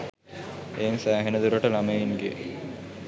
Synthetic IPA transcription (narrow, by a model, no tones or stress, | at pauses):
eːnisæːɦenəd̪uɾoʈəlameinɡḛ